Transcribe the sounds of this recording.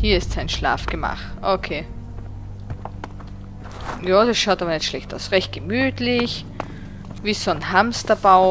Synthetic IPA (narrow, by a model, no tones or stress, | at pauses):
hiːɐɪstsaɪnʃla̰ːfɡ̥əma̰χtʔokʰeː | jaːd̥ɐsʃaʊtaːbɐnɛtʃlɛçta̰ʊsʁɛçt̚ɡ̥əmyːtlɪç | viːsonhamstɐb̥aʊ